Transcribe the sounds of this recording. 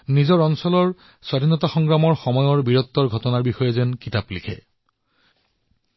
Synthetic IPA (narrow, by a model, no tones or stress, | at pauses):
nizɔɹɔnsɔlɔɹ | swadʱinɔtaxɔŋɡɹamɔɹxɔmɔjɔɹbiɹɔt̪ːɔɹɡʱɔtɔnaɹbixɔjɔzɛnkitaplikʰɛ̰